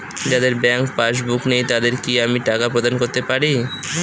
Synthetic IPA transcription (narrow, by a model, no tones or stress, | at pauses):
d͡ʑad̪eɾbɛŋkpaʃ̬buknejt̪ad̪eɾkiamiʈakapɾod̪ankoɾt̪epaɾi